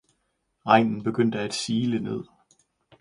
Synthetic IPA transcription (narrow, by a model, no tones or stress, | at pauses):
ʁɑ̈ɪ̰nn̩b̥e̝ɡ̥øn̰d̥əæd̥siːləne̝ð̞̰ˠ